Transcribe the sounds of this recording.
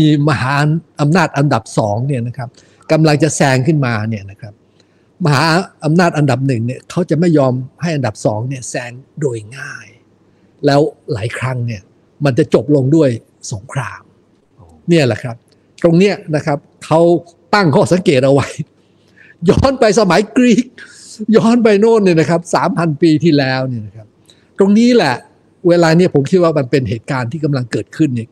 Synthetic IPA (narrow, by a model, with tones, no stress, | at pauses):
iː˧ma˧ɦaː˩˦ʔʔa˧mnaː˥˩t̪̚ʔa˧nda˨˩p̚sɔː˩˦ŋni˥˩ɐna˦˥kʰɾa˦˥p̚ | ka˧mla˧ŋt͡ɕa˨˩sɛː˧ŋkʰɯ˥˩nmaː˧ni˥˩ɐna˦˥kʰɾa˦˥p̚ | ma˧ɦaː˩˦ʔa˧mnaː˥˩t̪̚ʔa˧nda˨˩p̚nɯ˨˩ŋni˥˩ɐkʰa˦˥wt͡ɕa˨˩ma˥˩jːɔː˧mha˥˩jʔa˧nda˨˩p̚sɔː˩˦ŋni˥˩ɐəsɛː˧ŋdoː˧jŋaː˥˩j | lɛː˦˥wlaː˩˦jkʰɾa˦˥ŋni˥˩ɐ | ma˧nt͡ɕa˨˩t͡ɕo˨˩p̚lo˧ŋdu˥˩əj | so˩˦ŋkʰɾaː˧m | ni˥˩ɐlɛ̰˨˩kʰɾa˦˥p̚ | t̪ɾo˧ŋni˦˥ɐna˦˥kʰa˦˥p̚kʰa˦˥w | t̪a˥˩ŋkʰɔː˥˩sa˩˦ŋkeː˨˩t̪̚ʔa˧wa˦˥j | jɔː˥˩npa˧js̬a˧ma˨˩˦jkɾiː˦˥˩k̚ | jɔː˥˩˨npa˧jnoː˥˩nniː˧˥˩na˦˥kʰa˦˥p̚sa̰ː˩˦mpʰa˧npiː˧t̪ʰiː˥˩lɛː˦˥wni˥˩na˦˥kʰa˦˥p̚ | t̪ɾo˧ŋniː˦˥lɛ˨˩ | weː˧laː˧ni˥˩ɐpʰo˩˦mkʰi˦˥t̚waː˥˩ma˧npe˧nɦeː˨˩t̪̚kaː˧nt̪ʰiː˥˩ka˧mla˧ŋkɤː˨˩t̪̚kʰɯ˥˩nːi˥˩